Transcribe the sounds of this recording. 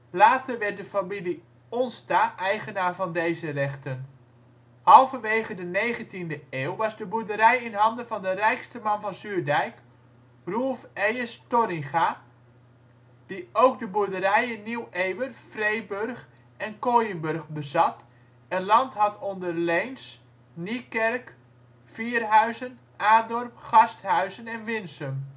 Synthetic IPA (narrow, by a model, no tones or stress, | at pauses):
laːtərʋɛrt̚dəfamili | ɔnstaʔɛjχənaːɹvɑndejzərɛχtən | hɑlˠvənʋejχədənejχəntindəeːwʋɑzdəbuɹdəɾɛjɪnɦɑndəvɑndərɛjkstəmɑnvɑnzyːɹdɛjk | rulˠfejəstɔɾɪŋχa | d̥iowɡdəbuɹdəɾɛjɪniweːʋərfrejbørχ | ɛnkoːjənbørχbəzɑt | ənlɑntɦɑtɔndərlejns | nikɛrk | fiːrɦœɥzən | ʔaːdɔrpχɑsthœɥzənɛnʋɪnsəm